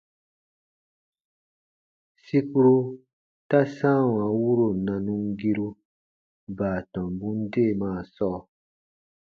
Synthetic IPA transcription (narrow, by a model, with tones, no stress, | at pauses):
si˦ku˦ɾo˦ | ta˦sã˦˨wã˨˦wu˦ɾo˨nã˨nũ˦ŋɡi˦ɾu˧ | baː˨tɔ̃˨mbũ˦n̩˦de˦˨mãː˨˦˨sɔː˦˨